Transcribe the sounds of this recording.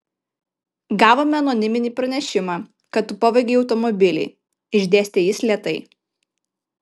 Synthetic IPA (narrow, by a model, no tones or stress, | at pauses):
ɡɑːʋoːmʲɛɐnɔnʲɪmʲɪnʲiːpɾɐnʲɛʃʲɪmɑː | kɐt̪t̪ːʊpoʋʲɐɡʲeɒʊt̪ɔmɔbʲɪlʲɛ̰ɪ | ɪʒʲd̪ʲeːsʲt̪ʲejɪsʲlʲiɛt̪ɐɪ